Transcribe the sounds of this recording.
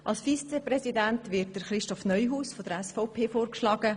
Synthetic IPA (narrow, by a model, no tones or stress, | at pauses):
ʔɑlsfiːst͡sɛprɛsidæntʋɪt̚d̥əɾχɾɪʃtɔfnœʏɦuːsfɔd̥̪əɾɛsfaʊpʰeːfoːrkʃlɑːɡ̥ə